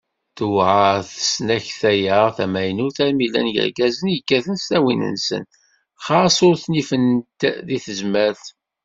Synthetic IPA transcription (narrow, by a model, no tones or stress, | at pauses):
θwʕaθə̥snæçθæjəʁθæmæjnʊɾθæɾmilæ̰nʝə̰ɾɡæzənjəkːæθənst̪æwinə̰nsə̰n | χɑsʊɾθnifənt̪ðiθəzmæθ